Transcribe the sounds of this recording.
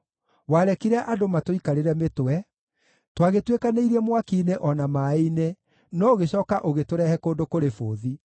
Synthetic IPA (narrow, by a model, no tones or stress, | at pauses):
waɾɛkiɾɛʔadomatoikaɾeɾɛmetoɛ | twaɣetwekaneiɾɛmwakiːneʔɔnamaine | nɔoɣeɕɔːkaʔoɣetoɾɛhɛkoːndokoɾefo̰ːði